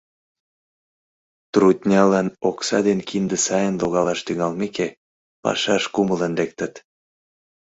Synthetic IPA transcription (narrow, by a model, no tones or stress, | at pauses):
t̪rut̪ʲnʲɑlɑnoksɑ̰d̪enkind̪əsɑjənloɣɑlɑʃt̪yŋɑlmeke | pɑ̰ʃɑʃkumələnlek̚t̪ət̪